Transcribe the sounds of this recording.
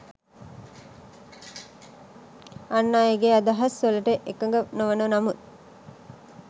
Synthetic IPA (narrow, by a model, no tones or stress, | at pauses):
anːaːjeɡead̪ɐɦɐsələʈəʔekəŋɡənoʋənənamut̪̚